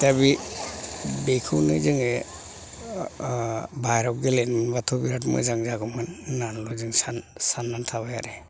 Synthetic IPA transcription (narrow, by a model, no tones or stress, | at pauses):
tabi | bekʰɯwnɯ̰zɯŋe | bʱajɾɔɡelenmɯnbatʰɔbiɾat̬mɯ̰jzaŋzaɡɔmanːanluzɯŋsansanːantʰaβajaɾe